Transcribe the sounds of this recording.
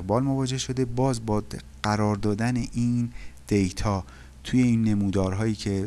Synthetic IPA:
ɣbɒːlmovɒːd͡ʒe̞hʃo̞d̪e̞bɒːzbɒː | ɢ̥æɾɒːɾd̪ɒːd̪æneʔiːnd̪̥ejt̪ʰɒː | t̪ʰuje̞iːnːe̞muːd̪ɒːɾɦɒːjiːcʰe̞

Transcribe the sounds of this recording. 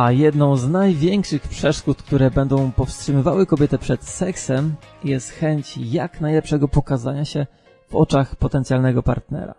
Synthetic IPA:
ajɛd̪nɔ̃w̃znajvʲjɛŋkʂɘxpʂɛʂkut̪k̚t̪uɾɛbɛnd̪ɔ̃w̃pɔfstʂɘmɘvawɘkɔbʲjɛt̪ɛpʂɛt̪sɛksɛmjɛst̪xɛɲt͡ɕjaknajlɛpʂɛɡɔpɔkazaɲaɕɛ | vɔ̰t͡ʂaxpɔt̪ɛnt̪sʲjalnɛɡɔpaɾt̪nɛ̰ɾa̰

